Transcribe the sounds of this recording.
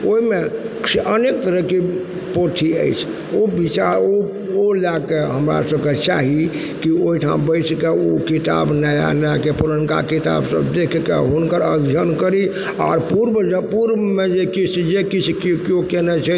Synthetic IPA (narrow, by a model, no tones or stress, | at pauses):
oime | ənekt̪əɾəɦki | poʈʰiə̰jt͡ʃʰ | obit͡ʃaɾo | olakeɦəmɾa̰səbket͡ʃa̰ɦi | kioiʈʰã̰bəɪt͡ʃʰkeokit̪a̰bnəja̰njakepuɾənka̰kit̪a̰bsə̰bd̪ekʰkḛɦunkəɾəd̪ʱjənkəɾi | a̰ɾpuɾbəd͡ʒpuɾbəmed͡ʒekit͡ʃʰd͡ʒekit͡ʃʰkkokenɛt͡ʃʰɛ